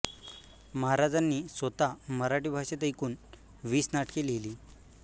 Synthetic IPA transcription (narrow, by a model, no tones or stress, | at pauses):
məɦaɾad͡zanːiːsʋət̪aməɾaʈiːbʱaɕet̪əjkuːn | ʋiːsnaʈkeleliː